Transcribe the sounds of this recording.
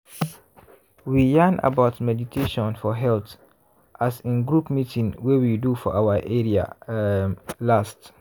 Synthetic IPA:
wijana̰baʊtmɛditʰeʃɔ̃nfɔɦɛlt | ʔasĩnɡɹupmitʰĩnwewidufɔ̰ʔawaʔeɹia̰ | last

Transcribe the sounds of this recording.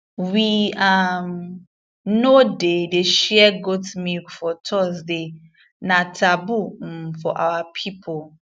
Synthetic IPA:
wiam | nodedeʃɛɛɡotmilkfɔtʰɔzde | nãtʰabum̩fɔ̰ʔa̰wapʰipʰo

